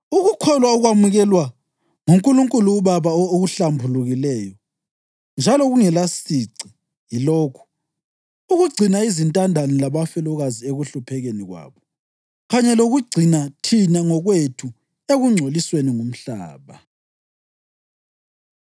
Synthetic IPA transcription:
uɣukʰɔlwauɣwamuɣɛlwa | ŋuŋkʼuluŋkʼuluːβaβaooɣuɬambʱuluɣilɛjɔ | nd͡ʒʱalɔɣuŋɛlasiǀi | jiloːkʰu̥ | uɣuɡ͡ǀʱinaizintʼandʱanilaβafɛlɔɣazieɣuɬupʰɛɣeniɣwa̰ːβɔ | ɣaɲɛloɣuɡ͡ǀʱinatʰinaŋɔɣwetʰu | eɣuŋ͡ǀʱolisweniŋum̩ɬa̰ːβa

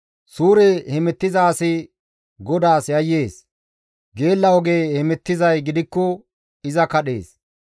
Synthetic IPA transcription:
suːɾɛhɛmɛt̪ːɪzaːsɪ | ɡɔd̪aːsjɐjːe̞ːs | ɡe̞ːlːɐwɔɡe̞ːhɛmɛt̪ːɪzɐjɡɪd̪ɪkːɔ | ɪzɐkɐɗe̞̰ːs

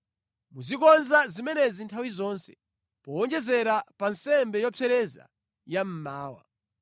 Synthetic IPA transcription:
muzikɔnzazimɛnɛzintʰawizɔnsɛ̥̰ | pɔɔnd͡ʒɛzɛɾapansɛmbɛjɔpʰɛɾɛza̰ | jam̩maːwa̰

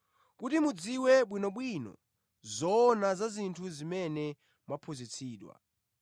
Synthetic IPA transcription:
kutimud͡ziwɛɓwinɔɓwinɔ̰ | zɔːnazazintʰuzimɛnɛ | mapʰuzit͡sʰiːɗwa̰

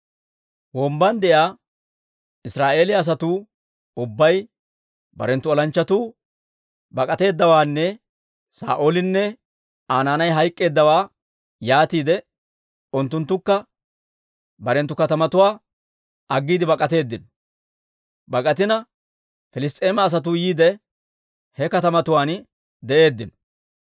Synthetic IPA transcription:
wɔːmbɐnd̪ɛjaː | ɪsɾaːʔe̞ːlɪɐs̬ɐt̪uː | ʊbːɐj | bɐ̰ɾɛnt̪ːʊɔlɐnt͡ʃːɐt̪uː | bɐkʼɐt̪e̞ːd̪ːɐwaːnːɛ | sa̰ːʔoːlɪnːɛ | aːnaːnɐjɦɐjkʼːe̞ːd̪ːɐwaː | jaːt̪iːd̪ɛ | ʊnt̪ːʊnt̪ːʊkːɐ | bɐɾɛnt̪ːʊkɐt̪ɐmɐt̪ʊwaː | ɐɡːiːd̪ɪbɐkʼɐt̪e̞ːd̪ːɪnɔ | bɐkʼɐt̪ɪnɐ | fɪlɪst̪ʼe̞ːmɐːs̬ɐt̪̬ʊjiːd̪ɛ | hɛkɐt̪ɐmɐt̪ʊwaːn | d̪ɛʔe̞ːd̪ːɪnɔ̥

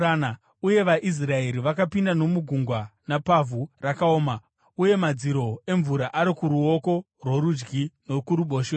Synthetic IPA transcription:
ana | uje̞ʋaʔis̬rae̞ɾiʋakapindano̞muɡʱuŋɡwanapavʱurakaoːma | uje̞mad͡ziɾo̞e̞ɱvuɾaʔaɾikuɾuo̞ko̞ | rwoɾud͡ʒɡino̞kuɾuɓoːʃe

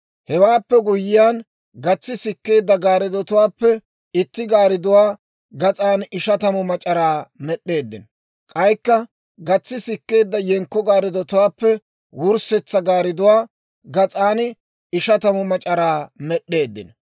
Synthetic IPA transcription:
hɛwaːpːɛɡʊjɪjaːn | ɡɐt͡sːɪsɪkːe̞ːd̪ːɐɡaːɾɪd̪ɔt̪ʊwaːpːɛ | ɪt̪ːɪɡaːɾɪd̪ʊwaː | ɡɐt͡sʼaːnɪʃɐt̪ɐmɔmɐt͡ʃʼɐɾaːmɛɗːe̞ːd̪ːɪn | kʼɐjkːɐ | ɡɐt͡sːɪsɪkːe̞ːd̪ːɐjɛŋkːɔɡaːɾɪd̪ɔt̪ʊwaːpːɛ | wʊɾsɛt͡sːɐɡaːɾɪd̪ʊwaː | ɡɐt͡sʼaːn | ɪʃɐt̪ɐmɔmɐt͡ʃʼɐɾaːmɛɗːe̞ːd̪ːɪ̰n

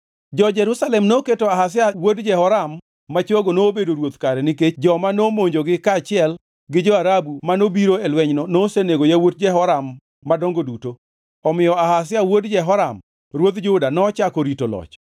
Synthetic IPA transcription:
d͡ʒɔd͡ʒɛɾusalɛmnoketoaɦas̬ɪawodd͡ʒɛhɔɾamː | at͡ʃwoɡonoːbedoɾwot̪kaɾɛnɪket͡ʃd͡ʒɔmanomoɲd͡ʒoɡɪkat͡ʃɪɛl | ɡɪd͡ʒɔaɾabumanobiɾoelwɛɲnɔnoseneɡojawot̚d͡ʒɛɦɔɾamː | adoŋɡoduto | ɔmɪjɔahas̬ɪawodd͡ʒɛɦɔɾam | ɾwot̪d͡ʒʊdanɔːt͡ʃakoɾitolɔ̰t͡ʃ

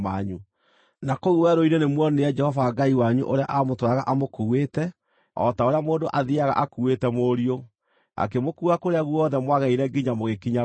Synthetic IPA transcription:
maɲu | nakouwɛɾoiɾenemwɔneɛd͡ʒɛhɔvaɡaiwaɲṵʔoɾeaʔamotwɾaɣaʔamokuwetɛ | ɔ̰taoɾeamoːndoʔaðiaɣa̰ʔakuwetɛmoɾio | a̰kemokuːɣakoɾeaɣuɔðɛmwaɣaiɾɛɡiɲamoɣekiɲa

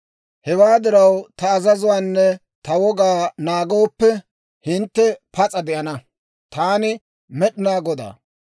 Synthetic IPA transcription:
hɛwaːd̪ɪɾɐwt̪ɐːzɐzʊwaːnːɛ | t̪ɐwɔɡaːnaːɡoːpːɛ | hɪnt̪ːɛpɐt͡sʼɐd̪ɪʔɐnɐ | t̪aːnɪ | mɛɗɪnaːɡɔd̪a̰ː

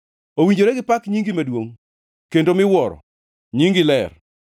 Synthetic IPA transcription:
owiɲd͡ʒoɾeɡɪpakɲiŋɡimadwoŋ | kendomɪwɔɾɔ̰ | ɲiŋɡɪlɛr

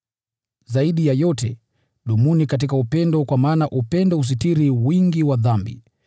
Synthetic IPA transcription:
zaiɗijajɔtɛ | ɗumunikat̬ikaupɛndɔkwamaːnaʔupɛndɔus̬itiɾiwiŋɡiwaðambḭ

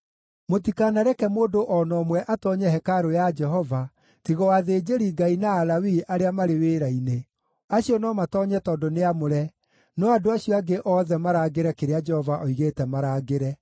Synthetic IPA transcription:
motikaːnaɾɛkɛmoːdoʔɔnɔmwɛʔatɔɲɛɦɛkaɾojad͡ʒɛɦɔva | tiɣɔwaðeːd͡ʒeɾiŋɡainaːlawiʔaɾeamaɾeweːɾaine | aɕiɔnɔmatɔːɲɛtɔːdɔneamoɾɛ | nɔadoaɕiɔaɡeʔɔːðɛmaɾaːɡeɾɛkeɾead͡ʒɛhɔvaʔɔiɣeːtɛmaɾaɡeɾɛ

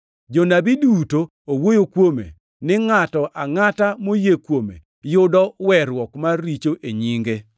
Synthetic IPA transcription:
d͡ʒonabiduto | owojokwomḛ | nɪŋatɔʔaŋatamojekwomḛ | jʊdɔwɛɾwɔkmaːit͡ʃoʔeɲiŋɡe

